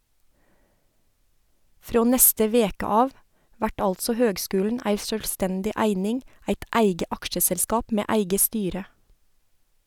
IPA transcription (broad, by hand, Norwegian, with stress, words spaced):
ˈfɾoː ˈnɛstə ˈʋeːkə ˈɑːʋ ˈʋæʈ ˈɑltsɔ ˈhøːɡˌskʉːln̩ ˈæɪ ʃœlˈstɛndɪ ˈæɪnɪŋ ˈæɪt ˈʔæɪɡə ˈɑkʃəsɛlˌskɑːp ˈmeː ˈʔæɪɡə ˈstyːɾə